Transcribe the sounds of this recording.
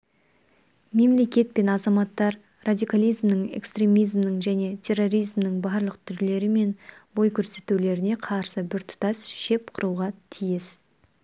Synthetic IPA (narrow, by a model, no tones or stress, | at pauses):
me̞mle̞kʲe̞t̪̚pe̞nɑzɑmɑt̪ːɑɾ | rad̪ʲijkalˠijzmnəɴe̞̰kst̪ɾʲe̞mijzmnəɴʒæne̞t̪ʲʰe̞rːo̞ɾijzmnəɴbɑɾlˠəqt̪ʰʏɾle̞ɾɪme̞nbo̞jkʲʰɵɾse̞t̪ule̞ɾɪne̞qʰɑɾsəbɪɾt̪ʰʊ̥t̪ɑsʃe̞p̚qʰʊɾuʁɑt̪ʰijɪs